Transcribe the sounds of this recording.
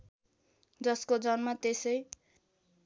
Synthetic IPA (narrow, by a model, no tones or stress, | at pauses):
d͡zʌskod͡zʌnmat̪esʌj